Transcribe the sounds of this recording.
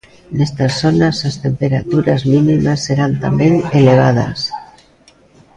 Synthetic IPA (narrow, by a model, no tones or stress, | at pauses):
nest̪asonasast̪empeɾat̪uɾazminimasːeɾant̪ambeŋeleβ̞að̞a̰s